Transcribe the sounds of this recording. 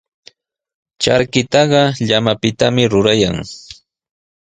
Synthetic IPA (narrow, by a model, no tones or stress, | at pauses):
t͡ʃa̰ɾkɪt̪ɑɢɑʎamapɪt̪amɪɾʊɾajaŋ